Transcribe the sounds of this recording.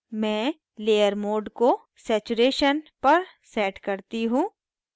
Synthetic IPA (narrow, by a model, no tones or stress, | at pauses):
mɛ̃ː | leːjəɾmoːɖko | sɛːt͡ʃuɾeːʃənpɐɾ | sɛːʈkɐɾt̪iɦũː